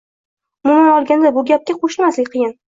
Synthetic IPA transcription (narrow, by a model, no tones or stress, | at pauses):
ʊmʊmanɒlˠɡʲand̪abʊɡʲap̚kʲaqʰoʃɪmaslɪkʲqʰɨjɪn